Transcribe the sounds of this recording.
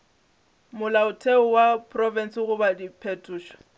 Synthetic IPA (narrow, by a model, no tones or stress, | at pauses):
mʊlaʊtʰeʊwapʰʼrɔvɛn̩sɪɣʊbadipʰetʰʼuːʃɔ̥